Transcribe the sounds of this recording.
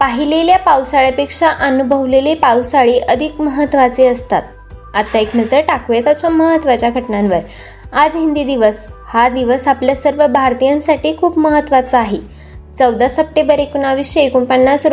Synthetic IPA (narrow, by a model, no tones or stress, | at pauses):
paɦileljapawsaɭjapekʂaʔənubʱəʋlelepawsaɭeʔəd̪ʱikməɦət̪ːʋat͡seəst̪a̰t̪̚ | at̪ːaeknəd͡zəɾʈakʋjet̪at͡ɕjaməɦət̪ːʋat͡ɕjaɡʱəʈɳãnʋəɾ | ad͡zɦind̪iːd̪iʋəshad̪iʋəsapljasəɾʋəbʱaɾt̪ijãnsaʈiːkʰuːpməɦət̪ːʋat͡səaɦe | t͡səwd̪asəp̚ʈebəɾekuɳaʋiɕjəekuːɳpənːasɾ